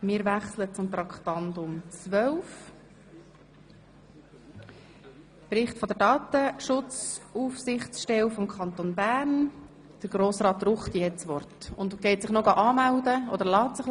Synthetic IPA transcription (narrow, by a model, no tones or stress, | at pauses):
mɪːɾvæχslət͡sʊmt̪ɾɑkχt̪ɑndʊmt͡sʋœwf | pɾɪχtfɔd̪əɾdɑːt̪əʃʊt͡suːfsɪχtt͡sʃtɛwfɔmkʰɑnt̪onbæːɾn | d̥əɾɡɾoːsɾɑːt̪rʊχt̪ɛt͡sʋɔrtʊ̰nd̪ɡ̥ɛɪt̪sɪχnoɡɑʔɑːmæwdəɔd̪əɾlɑːtsɪχ